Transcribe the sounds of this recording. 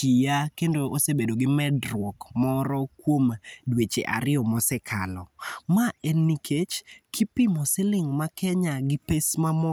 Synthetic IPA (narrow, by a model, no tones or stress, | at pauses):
t͡ʃijakendoosebedoɡɪmɛdɾwɔkmɔɾɔkwomdwet͡ʃḛʔa̰ɾɪɔmɔsɛkʰalɔmaenikʰet͡ʃkʰɪpɪmɔsɪlɪŋmakɛɲaɡɪpesmamɔ